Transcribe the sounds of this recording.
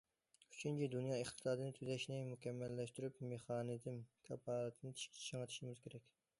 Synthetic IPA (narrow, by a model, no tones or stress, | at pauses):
yt͡ʃʰynt͡ʃʰid̪unjɑeχt̪ʰɨ̥sɑːd̪ɨnɪt̪ʰyzɛʃnɪmukʲɛmːɛlːɛʃt̪yɾypmeχɑːnɨd̪ɪmkʲʰɑpʰɑːlˠɨt̪ʰɨnɪt̪ʰi̥ʃkʲʰt͡ʃʰt͡ʃʰɑŋɑt̪ʰi̥ʃɪmɪz̥kʲʰeɾɛkʲ